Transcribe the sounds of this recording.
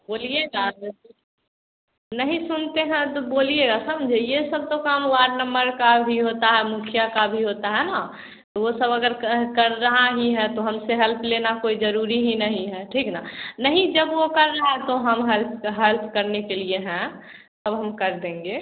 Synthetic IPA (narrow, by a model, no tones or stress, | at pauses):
boːlieɡa | nəɦĩsʊnt̪eɦɛ̃t̪oboːlieɡasɐmd͡ʒʱejesɐb̚t̪okaːmwaːɾnə̃mbəɾkabʱiɦoːt̪aɦɛmʊkʰijakabʱiɦot̪aɦɛna | t̪oʋosəbɐɡəɾkɐɾːɐɦaɦiɦɛ̃t̪oɦɐmseɦɛlpʰleːnakoːid͡ʒɐɾuːɾiɦinəɦĩɦɛʈʰiːknanəɦĩd͡ʒɐbʋokɐɾːəɦaɦɛ̃t̪oɦɐmɦɛlpɦɛlpʰkəɾnekelieɦɛ̃ | səbɦɐmkɐɾd̪ẽːŋɡeː